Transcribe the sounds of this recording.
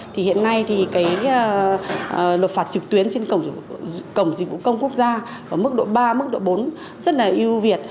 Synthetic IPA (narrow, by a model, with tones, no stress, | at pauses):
t̪ʰi˨˩hḭ˧˨ənːa˧jt̪ʰi˨˩kaː˨˦j | lwə˨˩t̚faː˨˩t̚t͡ɕɨ˨˩k̚t̪wi˨˦ənt͡ɕe˧nkə˧˩wŋ͡mkə˧˩wŋ͡mzḭ˧˨k̚vṵ˧˨kə˧wŋ͡mku˦˥ək̚zaː˧ | kəː˨˩mɨ˦˥k̚ɗo̰˧˨ɓaː˧mɨ˦˥k̚ɗo̰˧˨ɓo˨˦n | zə˦˥t̚laː˨˩ʔi˧wvi˨˩ət̚